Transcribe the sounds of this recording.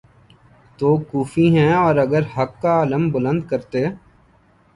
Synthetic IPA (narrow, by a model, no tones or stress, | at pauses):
t̪oːkuːfiɦɛ̃ːɔːɾəɡəɾhəkːaːləmbʊlə̃nd̪̚kəɾt̪eː